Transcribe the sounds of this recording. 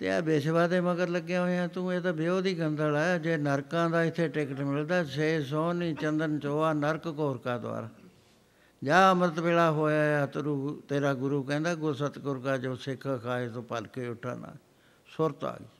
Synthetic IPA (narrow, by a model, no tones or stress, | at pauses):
t̪ḛːɛ̰ːbeːʃbaːd̪eːməɡəɾləɡːjãːɦoːãːt̪ũːeːt̪aːbɪoːd̪iːɡənd̪əlaːjaːd͡ʒeːnəɾkãːd̪aːɪt̪ʰːeːʈɪkəʈmɪld̪aːseːs̬ɔ̃ːniːt͡ʃənd̪ənt͡ʃoːaːnəɾkkoːɾkaːd̪ʊa̰ːɾaː | d͡ʒaːəmɾət̪beːɽaːɦoːjaːat̪ɾuːt̪eːɾaːɡʊɾuːkɛ̃ːnd̪aːɡʊɾsət̪koːɾkaːd͡ʒoːsɪkʰːkʰaːeːt̪õːpəlkeːʊʈʰːa̰ːna̰ː | sʊɾt̪a̰ːɡiː